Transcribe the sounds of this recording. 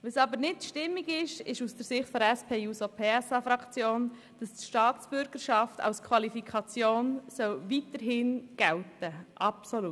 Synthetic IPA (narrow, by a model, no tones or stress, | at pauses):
ʋesɑbəɾnɪtʃtɪmːiɡɪʃɪʃusd̥əɾsɪχtfɔɾɛspʰeːusopʰeːɛsɑfɾɑkt͡sjoːn | d̥ɑstʃtɑːt͡sb̥ʏɾɡ̥əɾʃɑftʰɑ̰lskʰwɑlifikʰɑt͡sjoːnsœlvitəɾɦɪnɡ̥ɛltəʔɑpsolu